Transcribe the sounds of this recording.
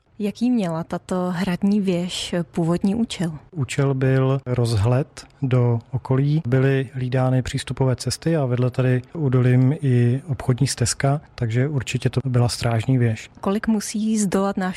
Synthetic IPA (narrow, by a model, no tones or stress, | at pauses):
jakiːmɲɛlat̪at̪oɦɾadɲiːvjɛʃpuːvo̞dɲiːʔuːt͡ʃɛluːt͡ʃɛlbɪlɾozɦlɛt̪doʔokoliːbɪlɪɦliːdaːnɪpr̝̥iːst̪upovɛːt͡sɛst̪ɪavɛdlɛt̪adɪudolɪmɪopxodɲiːst̪ɛskat̪aɡʒɛʔuɾt͡ʃɪcɛt̪obɪlast̪ɾaːʒɲiːvjɛʃkolɪkmusiːizdolat̪naːʃ